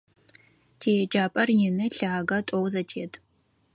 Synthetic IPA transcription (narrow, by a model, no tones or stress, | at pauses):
tʰeːjɛd͡ʒaːpʼɐrjɪnɨɬaːɡɐtʼowzɐtʰeːtʰʼ